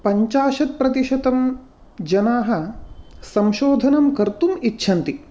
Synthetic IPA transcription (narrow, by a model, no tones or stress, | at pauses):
pɐɲt͡ʃaːʃɐt̪̚pɾɐt̪iʃɐt̪ɐm | d͡ʒɐnaːɦɐ̆sɐmʃoːd̪ʱɐnɐmkɐɾt̪umitːʃʰɐnt̪i